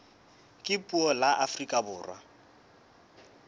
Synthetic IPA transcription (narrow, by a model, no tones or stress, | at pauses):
kʼɪpʼuɔlaʔafrikʼabʊːrwa